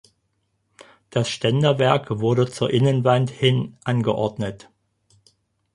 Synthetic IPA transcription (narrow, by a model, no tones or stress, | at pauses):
d̥asʃtɛndɐvɛɐkv̥ʊɐɾət͡suːɐʔɪnənvanthɪnʔanɡəʔɔɐdnət